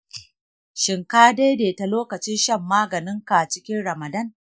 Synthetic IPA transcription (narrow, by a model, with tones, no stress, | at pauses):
ʃɪ˨ŋkaː˦da˦jdeː˨ta˨loː˦kɐ˨t͡ʃɪ˦nʃɐ˦˨mːaː˦ɡɐ˨nɪ˦ŋka˨t͡ʃɪ˦kʲɪ˦nɽɐ˨mɐ˨dɐ˦˨n